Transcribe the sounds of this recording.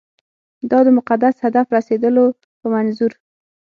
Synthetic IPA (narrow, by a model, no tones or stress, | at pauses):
d̪ɑd̪əmʊqad̪ashad̪afɾased̪əlo | pəmanzuɾ